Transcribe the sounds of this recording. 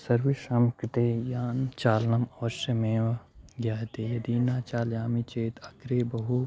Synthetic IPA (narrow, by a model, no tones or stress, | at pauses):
sɐɾʋiʃaːmkt̪ejaːnt͡ʃaːlnɐmɔːʃɐmẽːʋɡjaːɦt̪ejɐd̪iːnaːt͡ʃaːljaːmit͡ʃeːt̪ɐkɾeːbɐɦu